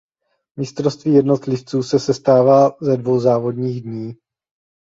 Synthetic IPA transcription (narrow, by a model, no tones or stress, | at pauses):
mɪst̪ɾo̞st̪viːjɛdno̞t̪lɪft͡suːsɛsɛst̪aːvaːzɛdvo̞wzaːvo̞dɲiːɣdɲiː